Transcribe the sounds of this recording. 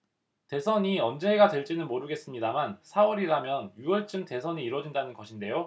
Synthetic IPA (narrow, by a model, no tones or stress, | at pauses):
te̞sʰʌɲiʌnd͡ʑe̞ɦeɡadwe̞ɭt͡ɕ͈inɯnmoɾɯɡe̞s͈ɯmɲidamansʰawʌɾiɾamjʌnjuwʌɭt͡ɕ͈ɯmte̞sʰʌɲiːɾwʌd͡ʑindanɯnɡʌɕʰinde̞jo